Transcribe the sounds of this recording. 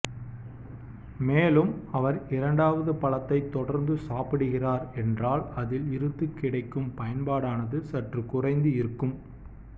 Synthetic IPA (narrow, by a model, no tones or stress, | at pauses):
meːlɯmɐʋɐɾɪɾɐɳɖaːʋɐðɯpɐlɐt̪ːɐɪt̪ːɔɽɐɾnd̪ɯsaːpɪɽɯɣɪraːɾɛndraːlɐðɪlɪɾɯt̪ːɯkːɪɽɐɪkːɯmpɐjɐnpaːɽaːnɐðɯsɐʈrɯkʊrɐɪnd̪ɯɪɾɯkːɯm